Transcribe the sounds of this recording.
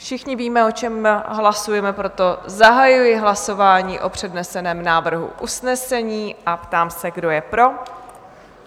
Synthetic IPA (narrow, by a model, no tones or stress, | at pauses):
fʃɪxɲɪviːmɛo̞t͡ʃɛmɦlasujɛmɛpɾo̞t̪o̞zaɦajujɪɦlaso̞vaːɲiːʔo̞pr̝̥ɛdnɛsɛnɛːmnaːvr̩ɦṵʔusnɛsɛɲiːʔapt̪aːmsɛɡdo̞jɛpɾo̞